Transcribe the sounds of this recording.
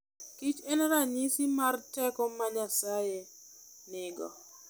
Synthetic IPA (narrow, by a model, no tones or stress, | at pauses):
kit͡ʃɛnɾaɲɪsɪmartɛkɔmaɲasaje | nɪɡɔ̰